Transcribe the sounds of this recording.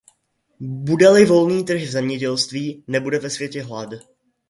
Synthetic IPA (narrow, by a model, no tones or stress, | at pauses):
budɛlɪvo̞lniːt̪r̩xvzɛmɲɛɟɛlst̪viːnɛbudɛvɛsv̥jɛcɛɦlad